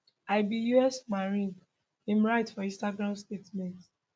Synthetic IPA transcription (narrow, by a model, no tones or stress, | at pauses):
aɪbijuɛsmaɹĩɡ | ĩmɹaɪtfɔĩstaɡɹãmstetmɛ̃nt